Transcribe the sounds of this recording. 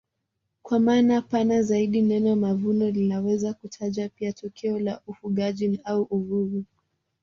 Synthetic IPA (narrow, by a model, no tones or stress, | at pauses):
kwamaːnapanazaiɗinɛnɔmavunɔlinawɛzakutʰaʄapiatɔkʰɛɔlaʔufuɠaʄinauʔuɾuvu